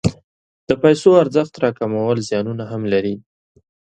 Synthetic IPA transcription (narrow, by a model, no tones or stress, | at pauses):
d̪̥əpajsoaɾzəxt̪ɾɑkamawəlzjɑnunaɦamlaɾi